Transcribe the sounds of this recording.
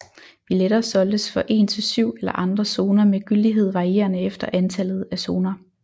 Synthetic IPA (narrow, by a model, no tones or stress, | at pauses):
ʋileɾ̥ɐːsɒ̽ld̥əsfɒ̽ʔe̝ːnt͡sʰe̝lsyʊ̰elɐʔɑ̈nd̥ʁɐso̝ːnɐmeɡ̥yld̥iɦe̝ð̞̰ˠʋɑ̈ʁie̝̰ːɐnəefd̥ɐʔænt͡sʰælð̞̩ˠæso̝ːnɐ